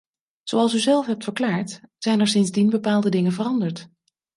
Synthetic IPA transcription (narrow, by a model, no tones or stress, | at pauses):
z̥owɑlˠsyzɛlˠfɦɛp̚tfəɹklaːɹtz̥ɛjnɛɹsɪnzdinbəpaːlˠdədɪŋənvərɑndəɹt